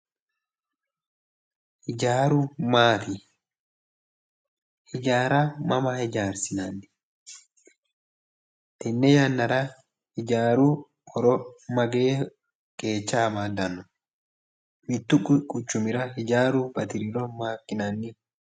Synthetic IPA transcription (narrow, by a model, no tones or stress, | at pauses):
hɪd͡ʒaːɾʊmaːt̪ɪ | hɪd͡ʒaːɾamɐmɐhɪd͡ʒaːɾsɪnɐnːɪ̥ | t̪ɪnːɛjɐnːɐɾɐ | hɪd͡ʒaːɾuː | ɔɾɔmɐɡe̞ː | kʼe̞ːt͡ʃːɐːmaːd̪ɐnːɔ | mɪt̪ːʊkʼkʼʊt͡ʃːʊmɪɾɐhɪd͡ʒaːɾubɐt̪ɪɾɪɾɔmaːkːɪnɐnːɪ